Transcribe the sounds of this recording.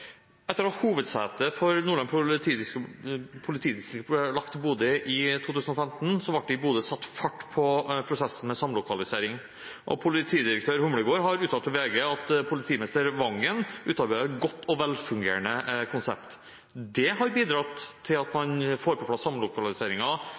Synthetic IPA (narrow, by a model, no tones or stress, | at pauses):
ʔɛt̪ːəɾɔhuːʋəd̪sɛːt̪əfɔɾnuːɭɑnpʰʊt̪ʰiːɪskəpʰʊlɪt̪ʰiːd̪ɪst̪ɾɪɡlɑkt̪buːd̪əʔɪt̪ʰuːt̪ʉːsn̩ɔfɛmt̪n̩sɔʋɑʈ̚ɖɪbuːd̪əsɑt̪ːfɑʈːpʰɔpʰɾʊsɛsn̩mɛsɑmlʊkʰɑlɪseːɾɪŋ | ʔɔ̰pʰʊlɪt̪ʰiːd̪ɪɾək̚t̪ʰøːɾhʊmləɡoːɾɦɑɾʉːt̪ʰːɑlt̪ʰɔʋeːɡəɑt̪pʰʊlɪt̪ʰiːmɪnɪst̪əɾʋɑŋːənʉːt̪ɑɾbæɛt̪ɡɔt̪ːɔʋɛlfʉŋɡḛːɾɳəkʰʊnsɛ̰pt̪ | d̪ɛɦɑɾbiːd̪ɾɑt̪ʰːɪlɑt̪mɑnfoːɾpʰɔpʰlɑsːɑmlʊkɑlɪseːɾɪŋɑ